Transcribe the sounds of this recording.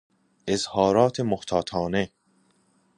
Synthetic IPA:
ʔezhɒːɾɒːt̪ʰemoht̪ʰɒːt̪ʰɒːne

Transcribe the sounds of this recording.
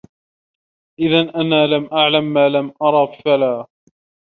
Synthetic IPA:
ʔɪðanʔanaːlamʔaʕlamːaːlamʔɑɾˤɑffalaː

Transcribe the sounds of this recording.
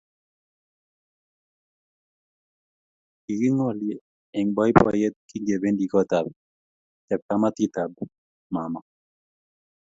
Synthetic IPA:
iɡiŋɔljɛ | ɛŋbɔjpa̰jɛt̪̚kiŋɡebendikɔt̪ab̚ | t̪ɛp̚kamat̪it̪ab | mama

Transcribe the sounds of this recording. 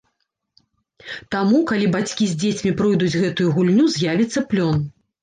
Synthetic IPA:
t̪amukalʲibat͡sʲkʲizʲd͡zʲet͡sʲmʲipɾɨjd̪ud͡zʲɣɛt̪ujuɣulʲnʲuzʲjavʲit̪sːɐplʲɔn

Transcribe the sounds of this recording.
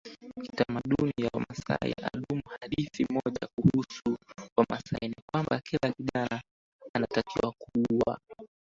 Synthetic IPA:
kitamaɗunijawamasa̰jaɗumuhaɗiθimɔʄakuhusuwamasainikwambakʰilakiɗaɾa | anatakiwakuwa̰

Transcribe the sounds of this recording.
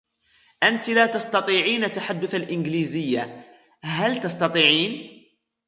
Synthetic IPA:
ʔant̪laːt̪ɑst̪ɑt̪ˤiːʕiːnat̪ːaħad̪ːʊθalʔɪnɡliːzɪjːa | ɦalt̪ɑst̪ɑt̪ˤiːʕiːn

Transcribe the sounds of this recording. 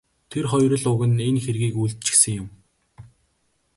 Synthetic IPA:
t̪ʰerχɔjrə̆ɮʊɣɘ̆nenxerɣiːkuɮt̪̚t͡ɕɪ̥̆xsɘ̆ŋjʊ̆m

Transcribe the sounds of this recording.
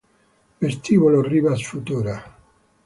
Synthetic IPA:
best̪iβoloriβasfut̪uɾa

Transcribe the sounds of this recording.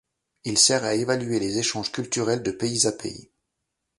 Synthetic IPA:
ilsɛʁaevalɥelezeʃɑ̃ʒkʲylt̪yʁɛld̪əpeizapḛḭ

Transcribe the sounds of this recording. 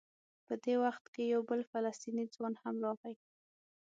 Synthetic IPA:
pəd̪ewaxt̪kejawbəlfalast̪inid͡zwɑnhamlɑɣaj

